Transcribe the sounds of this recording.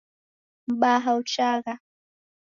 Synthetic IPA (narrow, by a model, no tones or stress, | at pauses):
baːɦawt͡ʃɑːɢɑ